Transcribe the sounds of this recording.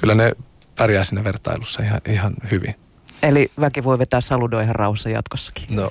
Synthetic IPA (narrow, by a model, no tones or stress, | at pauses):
kylːæne | pærjæːsiːnæʋert̪ɑ̰ilusːɑihɑ̰ʔihɑnhyʋḭn | eliʋækiʋoiʋet̪æːsɑludoihɑrrɑ̰uhɑsːɑjɑ̰t̪kosːɑ̥ki̥no